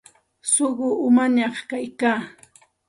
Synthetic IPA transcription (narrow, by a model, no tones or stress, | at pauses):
soɢʊʔʊmaɲɑχkajkaː